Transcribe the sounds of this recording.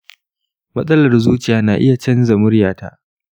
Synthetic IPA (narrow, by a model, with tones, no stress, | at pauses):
mɐ˦sʼɐ˦lɐ˨rzuː˦t͡ʃɪ˨jaː˨˦naː˨ʔɪ˦ja˨t͡ʃɛ˦nzɐ˨mʊ˦rjaː˨ta̰˦ʔ